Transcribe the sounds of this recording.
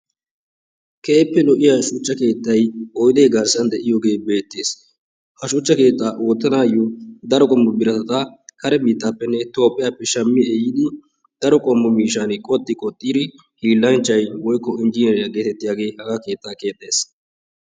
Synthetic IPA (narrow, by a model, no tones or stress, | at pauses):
kʰeːpːɛlɔʔɪjaʃʊt͡ʃːɐke̞ːt̪ːɐjɔjd̪eːɡɐɾsɐnd̪ɛʔɪjɔːɡe̞ːbe̞ːt̪ːeːs | hɐʃut͡ʃːɐke̞ːt̪ʼːaːʔoːt̪ːɐnaːjɔd̪ɐɾɔkʼɔmːʊbɪɾɐt̪ɐt̪ɐkɐɾɛbiːt̪ːaːpːɛnːɛt̪o̞ːpʼːɪjaːpːɛʃɐmːɪɛjɪd̪ɪ | d̪̥ɐɾɔkʼɔmːʊmiːʃaːnɪkʼɔt̪ʼːɪkʼɔt̪ʼːiːɾɪ | hiːlːɐnt͡ʃːɐjwɔjkːɔɪnd͡ʒiːnɛɾjɐɡeːt̪ɛt̪ːɪjaːɡe̞ːhɐɡake̞ːt̪ːaːke̞ːt̪ʼːe̞ːs